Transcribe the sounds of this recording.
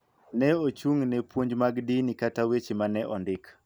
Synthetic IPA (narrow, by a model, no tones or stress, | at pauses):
nɛot͡ʃuŋnɛpwoɲd͡ʒmaɡdinikatawet͡ʃimanɛʔɔndɪk